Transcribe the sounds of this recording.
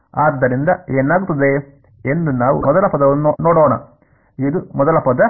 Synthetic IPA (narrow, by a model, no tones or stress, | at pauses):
aːd̪ːɐɾind̪ɐenːaːɣut̪ːɐd̪eː | end̪unːaːʋ̰mɔðɐlɐpɐd̪ɐʋɐnoːɽoːɳɐ̰ | iðumɔðɐlɐpɐd̪ɐ